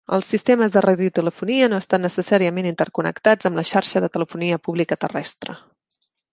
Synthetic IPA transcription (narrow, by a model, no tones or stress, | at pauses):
əlˠsːist̪eməzðəraðiut̪ələfuniənoəst̪anːəsəsaɾiəmenint̪əɾkunə̰kt̪ad͡zəmləʃaɾʃəðət̪ələfuniəpuβlikət̪ərɛst̪ɾə̰